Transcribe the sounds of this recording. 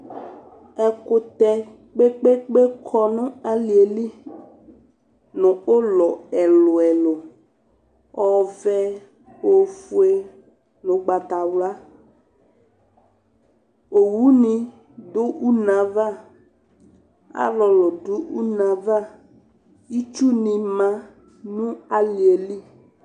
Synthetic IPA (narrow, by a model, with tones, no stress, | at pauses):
ɛ˨kʊ˨t̪ɛ˨ | k͡pe˦k͡pe˦k͡pe˦kʰɔ˦nʊ̃˦a˨li˨e˨li˦ | nʊ̃˨o˦lɔ˨ɛ˨lʊ˨ɛ˨lʊ˨ | ɔ˦vɛ˦ | o˨fu˦e˦ | nʊ̃˨ɡ͡ba˨t̪a˨wla˦ | o˨wu˦nĩ˦ | dʊ˦ʔu˦nã˨va˦ | a̰˦lɔ˨lɔ˨dʊ˦ʔu˦nã˨va˦ | i˦t͡ʃu˦nɪ̃˨mã˦ | nʊ̃˦a˨lɪ˨e˨li˦